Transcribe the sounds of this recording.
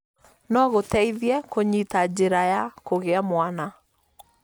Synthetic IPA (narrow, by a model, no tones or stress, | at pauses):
nɔɣotɛiðjɛkoɲitad͡ʑeɾajakoɣeamwana